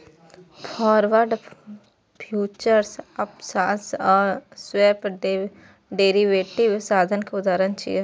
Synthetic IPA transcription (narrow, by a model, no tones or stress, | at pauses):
pʰɔːɾʋəɾɖ | pʰjuːt͡ʃəɾsɐpsaːsɔːɾsweːp | ɖeːɾiʋeːʈiʋsaːd̪ʱənkeʊd̪aːɾənt͡ʃḭje